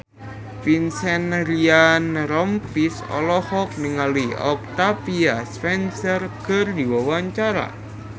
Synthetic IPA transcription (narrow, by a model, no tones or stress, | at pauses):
pinsɛnɾianɾɔmpisɔ̰lɔhɔk̚niŋaliɔ̰k̚t̪apiaspɛnsərkərd̪iwawaɲt͡ʃaɾa̰